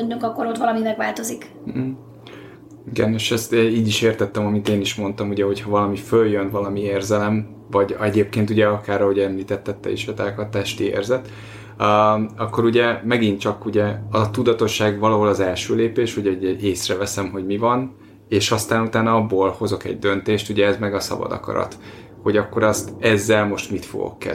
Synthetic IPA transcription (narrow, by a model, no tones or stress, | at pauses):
ɲːoŋkɒkːoɾot̪ʋɒlɒmimɛɡʋaːlt̪o̞zik̩ | iɡɛneːʃɛst̪ːiːɟiʃeːrt̪ɛt̪ːɛmɒmit̪eːniʃmo̞nt̪ɒmuɟɛɦo̞chɒvɒlɒmiføljønvɒlɒmieːrzɛlɛm | vɒɟɛɟeːp̚keːnt̪uɟɛɒkaːrːɒɦoɟɛmliːt̪ɛt̪ːɛt̪ːɛ̰iʃɛt̪aːkɒt̪ːaʃt̪iḛːrzɛt̪ː | ɒkːo̞ɾuɟɛmɛɡint͡ʃɒkuɟɛɒt̪ud̪ɒt̪o̞ʃːaːɡvɒlɒɦo̞lɒzɛlʃøːleːpeːʃuɟɛuɟɛeːsrɛvɛsɛmɦo̞ɟmivɒn | eːʃɒst̪aːnut̪aːnɒɒbːoːlho̞zo̞kɛ̰ɟ̚d̪ønt̪eːʃt̪uɟɛɛzmɛɡɒsɒ̰bɒ̰d̪ɒ̰kɒ̰ɾɒ̰t̪ | ho̞ɟɒkːo̞ɾɒst̪ɛzːɛlmo̞ʃt̪mit̪fo̞̰ɡo̰kːɛ̰